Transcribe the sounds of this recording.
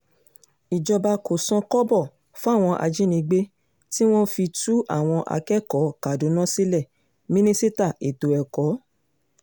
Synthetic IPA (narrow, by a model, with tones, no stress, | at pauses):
i˨d͡ʒɔ˧ba˧ko˨sã˧kɔ˦bɔ˦˨ | fũ˦a˦˨w̃ɔ̃˧ʔa̰˧d͡ʒi˦nĩ˧ɡ͡be˦ | ti˦w̃ɔ̃˦fi˧tu˦ʔa̰˦˨w̃ɔ̃˧ʔa̰˧kɛ˦kɔ˨˦ka˨do˨˦nã˦si˦lɛ˦˨ | mĩ˦nĩ˦si˦ta˦˨ʔe˨to˨ɛ˨kɔ˨˦